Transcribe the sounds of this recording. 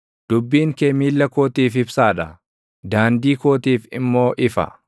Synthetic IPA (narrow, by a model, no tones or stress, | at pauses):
d̪̥ʊbːiːŋkɛmiːlːɐkoːt̪iːfɪbsaːᶑɐ | d̪aːnd̪iːkoːt̪iːfɪmːo̞ːʔɪfɐ̰